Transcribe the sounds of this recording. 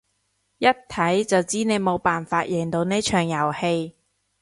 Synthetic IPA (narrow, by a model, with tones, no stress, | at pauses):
jɐ˥t̚t̪ʰɐ˨˥jt͡sɐ˨wt͡siː˥ne˨˧jmo˨˧wpaː˨nfaː˧t̚jɛ˨˩ŋt̪o˧wneː˥t͡ʃʰœː˨˩ŋjɐ˨˩whe˧j